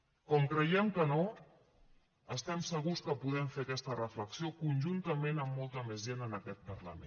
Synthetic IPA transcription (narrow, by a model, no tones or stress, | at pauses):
kɔmkɾəiɛmkəno | əst̪ɛmsəɣuskəpuðɛɱfeəkɛst̪ərəfləksiokunʲʒunt̪əmenəmːɔlˠt̪əmezʒenənəkɛt̪̚pərlə̰mḛ̃